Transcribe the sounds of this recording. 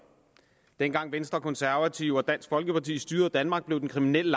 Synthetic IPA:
d̥enɡ̥ɑ̈ŋ̰ʋensd̥ʁɐkʰɒ̽nsæɐʋæt͡sʰiʊ̰ɒ̽d̥æn̰sɡ̥fɒ̽lɡ̥əpɑ̈t͡sʰḭːsd̥yːɐð̩ˠd̥ænmɑ̈ːɡ̥b̥le̝ʊd̥enkʰʁiminel̰əl

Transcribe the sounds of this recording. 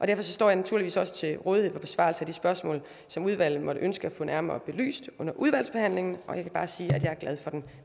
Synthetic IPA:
ʔɒ̽d̥æɐfɒ̽s̬ɒ̽sd̥ɒ̰ːjɑ̈næt͡sʰuɐ̰liʋḭːsɒ̽sə̥t͡sʰe̝lʁɔ̽ːð̞ˠihe̝fɒ̽b̥e̝sʋɑ̈l̩səæd̥isb̥ɶɐsmɔ̰̽ːl | sɒ̽muð̞ˠʋæl̰ð̩ˠmɒ̽ɾəʔønsɡ̥əæfɔ̰ːnʔæɐmɐːb̥e̝ly̰ːsd̥ɔ̽nɐʔuð̞ˠʋæl̰sb̥e̝hæn̰le̝ŋn̩ʔɒ̽jɑkʰæb̥ɑ̈ːsiːæd̥jɑ̈ɪæɐɡ̥lɛð̞ˠfɒ̽d̥en

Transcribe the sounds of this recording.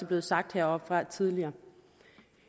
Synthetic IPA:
əb̥le̝ːðˠsɑ̈ɡ̥̚d̥heɐ̰ɒ̽b̥fʁɑ̈t͡sʰiðˠliɐː

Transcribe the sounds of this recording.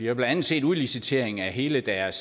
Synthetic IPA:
iɐb̥læn̥ænð̩ˠse̝̰ːduðˠlisit͡sʰe̝ɐ̰eŋ̩æɦe̝ːləd̥æɐs

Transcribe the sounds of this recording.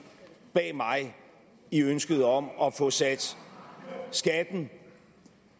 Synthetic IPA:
b̥ɛ̰ːmɑ̈ɪ | iønsɡ̥əð̞̩ˠɒ̽mɒ̽fɔ̽sæd̥ | sɡ̥æd̥n̩

